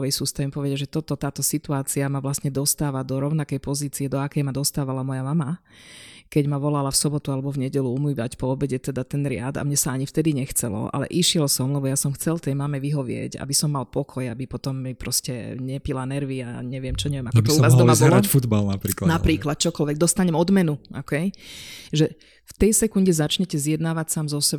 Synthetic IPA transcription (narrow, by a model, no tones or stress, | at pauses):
ʋɛjsust̪aʋimpɔʋɛɟaʒɛt̪ɔt̪ɔt̪aːt̪ɔsit̪uaːt͡siamaʋlasɲɛd̪ɔst̪aːʋad̪ɔɾɔʊnakɛjpɔziːt͡siɛd̪ɔakɛjmad̪ɔst̪aːʋalamɔjamama | kɛɟmaʋɔlalafsɔbɔt̪ualɛbɔvɲɛɟɛluumiːʋacpɔːbɛɟɛt̪ɛd̪at̪ɛnɾɪad̪a̰mɲɛsaaɲift̪ɛd̪iɲɛxt͡sɛlɔ̰ʔa̰lɛ̰ʔiʃɪɛlsɔmlɛbɔjasɔmxt͡sɛlt̪ɛjmamɛʋiɦɔʋɪɛ̰ɟa̰bisɔmːalpɔkʰɔjabipɔt̪ɔmːipɾɔscɛɲɛpilanɛɾʋia̰ɲɛʋɪɛmt͡ʃɔɲɛʋɪɛmakkɔbt̪ɔuʋazmabɔlɔfud̪balnapɾiːklanapɾiːklat̪̚t͡ʃɔkɔlʋɛɡ̚d̪ɔst̪aɲɛmɔd̪mɛnuʔɔkʰɛjʒɛ | ft̪ɛjsɛkunɟɛzat͡ʃɲɛcɛzjɛd̪naːʋacsaːmzɔsɛb